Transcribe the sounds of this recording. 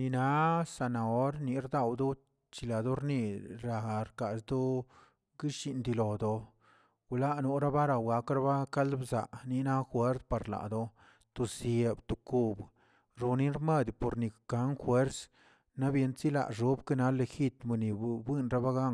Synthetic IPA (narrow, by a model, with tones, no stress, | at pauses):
ni˧na˨˦sa˨na˨o˦ɾni˨˦ɾd̪a˧˨wd̪o˦ | t͡ʃi˧la˨d̪o˦ɾni˧ɾa˧ɾka˨sd̪o˦ | ɡi˦ʃi˧nd̪i˧lo˨d̪o˨ | ɡla˦nu˧ɾa˦ba˦ɾa˧wɡa˨˦kɾa˦ba˦ka˦lbza˨ʔni˧na˦xwe˦ɾt̪pa˨ɾla̰˨ʔd̪o˧ | t̪u˨sje˧˨bt̪u˨ku˧b | ɾu˨ni˦nɾme˦˨d̪po˨ɾni˨ka˨˦ŋxwe˦ɾs | na˦bje˧˦nsi˦la̰˨ʐu˦bke˦na˦le˧˨xi˦t̪me˧ni˨bwi˦nɾa˦ba˦ɡa˦ŋ